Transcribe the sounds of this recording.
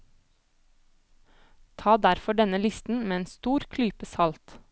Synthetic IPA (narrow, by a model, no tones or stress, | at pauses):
t̪ʰɑːd̪æɾfɔɖɛnəlɪst̪n̩meːeːnst̪uːɾkʰlyːpəsɑlt̪